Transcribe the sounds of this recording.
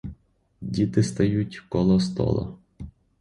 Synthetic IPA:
dʲit̪ɪst̪ɐjutʲkɔlˠɔst̪ɔ̰lˠɔ̰

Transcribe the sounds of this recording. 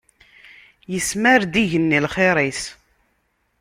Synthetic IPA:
jəsmæɾd̪iʝənːilχeɾˤis

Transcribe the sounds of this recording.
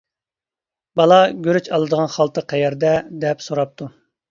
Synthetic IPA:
bɑlˠɑɡʲøɾyt͡ʃɑlˠɨd̪əʁɑnχɑlˠt̪ʰəqʰɛjɛɾd̪ɛd̪ɛpsoɾɑp̚t̪ʰu

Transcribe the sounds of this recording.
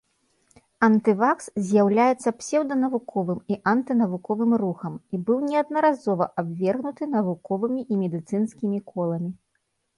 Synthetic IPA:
ɐnt̪ɨvakszʲjawlʲajɛt̪sːɐpsʲɛwd̪ɐnɐvukʰɔvɨmiʔɐnt̪ɨnɐvukɔvɨmruxɐmibɨwnʲɛɐd̪̚nɐɾazɔvɐʔabvʲɛrɣnut̪ɨnɐvukɔvɨmʲiʔimʲɛd̪ɨt̪sɨnsʲkʲimʲikʰɔlˠɐmʲi

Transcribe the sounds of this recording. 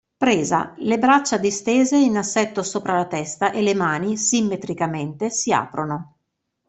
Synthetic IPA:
pɾeːza̰lebɾat͡ʃːad̪ist̪eːzeinasːɛt̪ːosoːpɾalat̪ɛst̪aʔelːemaːnisimːet̪ɾikament̪esia̰ːpɾono

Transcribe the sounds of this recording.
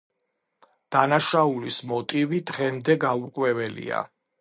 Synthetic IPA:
d̪̥anaʃaulismɔt̪ʼivid̪ʁɛmd̪ɛɡauɾqʼwɛvɛlḭa̰

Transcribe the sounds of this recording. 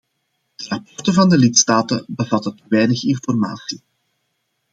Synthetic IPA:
d̪̥ərɑpɔrtəvɑndəlɪtstaːtəbəvɑtətəʋɛjnəxɪnfɔrma̰ːsi

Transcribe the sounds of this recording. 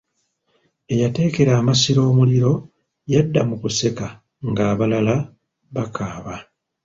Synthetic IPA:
e̞jate̞ːke̞ɾaːmasiɾo̞ːmuliɾo̞ | jadːamukuse̞ka | ŋɡaːβalala | βakʰaːβa

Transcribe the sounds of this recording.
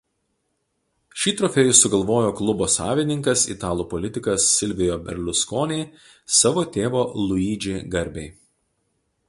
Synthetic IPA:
ʃʲiːt̪ɾɔfʲɛjʊsʊɡɐlˠʋoːjoːklˠʊboːsɑ̰ːʋʲɪnʲɪŋkɐsɪ̰t̪ɑːlˠuːpɔlʲɪt̪ʲɪkɐsːʲɪlʲʋʲɪjoːbʲɛɾʲlʲʊskoːnʲɛɪ | sɑʋoːt̪ʲeːʋoːlˠʊiːd͡ʒʲeːɡɐɾʲbʲɛɪ

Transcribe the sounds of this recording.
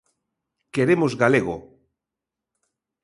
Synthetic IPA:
keɾemozɣaleɣo

